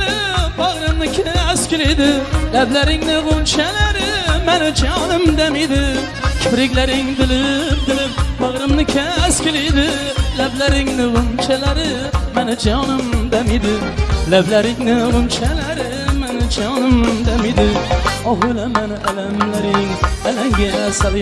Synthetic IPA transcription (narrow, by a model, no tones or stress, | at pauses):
ɪ | bɑʁɾɨmnɪkʲʰaskʲʰɪlejd̪ɪlablaɾɪŋnɪʁʊnt͡ʃʰalaɾɪmanɪd͡ʒaɒnɪmd̪amɪd̪ɪ | kʲʰʊpɾɪkʲlaɾɪŋd̪ɪlɪp̚d̪ɪlɪp̚bɑʁɾɨmnɪkʲʰaskʲʰɪlejd̪ɪ | lablaɾɪŋnɪʁʊnt͡ʃʰalaɾɪ | manɪd͡ʒaɒnɪmd̪amid̪ɪ | lablaɾɪŋnɪʁʊnt͡ʃʰalaɾɪ | manɪd͡ʒaɒnɪmd̪amɪd̪ɪɒʁʊlamanɪʔalamlaɾɪŋalaŋɡʲasal